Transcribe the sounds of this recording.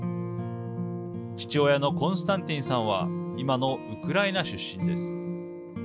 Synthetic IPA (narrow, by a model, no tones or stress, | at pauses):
t͡ɕi̥t͡ɕiojano̞kõ̞ɰ̃sɨ̥t̪ãnt̪ʲĩɰ̃sãɰ̃βa̰imano̞ɯkɯ̟ɾaenaɕɨɕːĩnd̪e̞sɨ̥